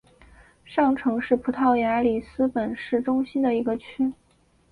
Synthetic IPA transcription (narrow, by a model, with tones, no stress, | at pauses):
ʂɑ˥˩ŋʈ͡ʂʰɤ˧˥ŋʂɻ̩˥˩pʰu˧˥t̪ʰɑ˥˩ʊja˧˥li˨˩sɹ̩˥pə˨˩nʂɻ̩˥˩ʈ͡ʂʊ˥ŋɕi˥nd̪ə˨i˧˥ɡə˧t͡ɕʰy˥